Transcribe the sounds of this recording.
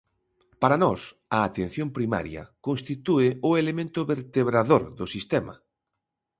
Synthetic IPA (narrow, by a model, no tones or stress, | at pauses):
paɾanɔs | ɐːt̪en̟θjõmpɾima̰ɾjɐ̰kõnst̪it̪uɪʊelemẽnt̪ʊβeɾt̪eβɾaðoɾðʊsist̪ɛmɐ̰